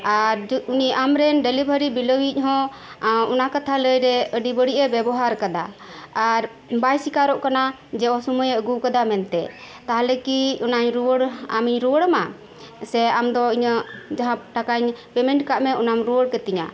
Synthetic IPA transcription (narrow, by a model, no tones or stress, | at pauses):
aɾuniʔamɾɛnɖɛlibʱəɾibiləwic̚ˀɦɔ̃ | ɔnakat̪ʰaləjɾɛəɖibəɽiʔɛbɛbɔɦaɾkad̪aː | ɾ | bajsikaɾɔʔkana | d͡ʒɛɔsumujəɡukad̪amɛnt̪ɛ | t̪aɦalɛkiunaɲɾuwəɽa̰miɲɾuwəɽəma | sɛamd̪ɔiɲəd͡ʒaɦãʈakaɲpɛmɛɳʈkaʔmɛɔnamɾuwəɽkɛt̪ɛɲa̰